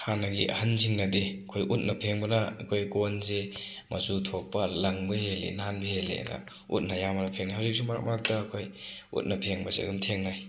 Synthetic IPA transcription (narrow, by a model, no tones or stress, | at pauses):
hanaɡḭʔɐ̰hɐnziŋnɐdekʰojʔut̚nɐpʰeŋbɐnakʰojkonzemɐ̰zutʰok̚pːalɐŋbihelḛnanbihelḛna̰ | ṵt̚najamanapʰeŋnajɦawzik̚sumaɾa̰k̚mak̚dakʰojṵt̚napʰeŋbasḛɡumtʰeŋnaj